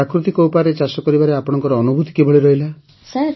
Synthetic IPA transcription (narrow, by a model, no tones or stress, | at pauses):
akɾut̪ikɔwpaɾet͡ʃasɔkɔɾibaɾeapɔɽ̃ɔŋkɔɾɔːnubʱut̪i̥kebʱɔɭiɾɔɦila | sa